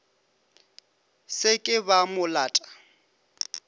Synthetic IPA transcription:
sɪkʼɪbamʊlaːtʼḁ

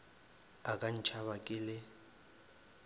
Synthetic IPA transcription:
akʼan̩t͡ʃʰaβakʼɪːlɪ

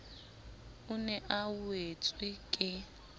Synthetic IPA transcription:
unɛʔawet͡sʼwikʼɪ

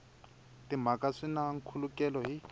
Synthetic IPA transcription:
tim̤akaʂinaŋ̩kʰulukʼɛlɔɦi

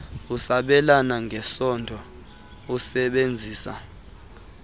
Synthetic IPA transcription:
usaɓɛlanaŋɡʱɛsɔndʱɔ | usɛɓend͡zʱiːsa̰

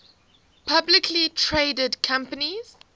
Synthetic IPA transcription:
pʰablɪkʰlitʰɹeːdədkʰãmpəniz̥

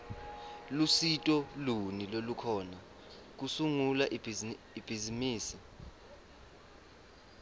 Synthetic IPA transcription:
lusitʼɔlunilolukʰɔːna | k̬usuŋulaʔi | ib̥ʱizimiːsi

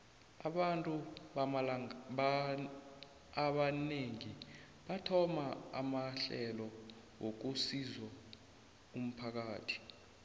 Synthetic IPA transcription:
aɓantʼu | aɓaneŋi | ɓatʰɔmaa̰maɬɛlɔ | wok̬usizwa | um̩pʰak̬aːtʰi̥

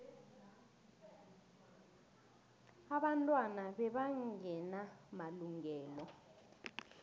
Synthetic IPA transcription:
aɓantʼwanaɓɛɓaŋɛnamaluŋɛːlɔ

